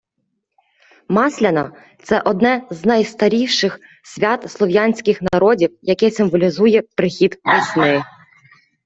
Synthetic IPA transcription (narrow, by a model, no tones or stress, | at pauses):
mɑsʲlʲɐnɐ | t̪sɛʔɔd̪nɛznɐjst̪ɐɾʲiʃɪx | sʲʋʲɑt̪slˠɔʋjanʲsʲkɪxnɐɾɔdʲiwjɐkɛsɪmʋɔlʲizujɛpɾɪxʲid̪ʋʲisʲnɪ